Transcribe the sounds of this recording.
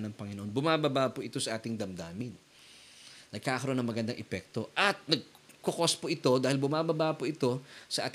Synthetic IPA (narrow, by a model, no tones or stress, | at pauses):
nɐŋpɐŋɪnoʔo̞nbʊmaːbɐbapoʔɪt̪o̞sɐʔaːt̪ɪŋd̪ɐmd̪aːmɪn | nɐɡ̚kaːkɐɾoonɐŋmɐɡɐnd̪aŋʔɛpɛk̚t̪o̞ʔɐt̪̚nɐɡ̚ | kokospoʔɪt̪o̞d̪aːhɪlbʊmaːbɐbapoɪt̪o̞sɐʔa̰ːt̪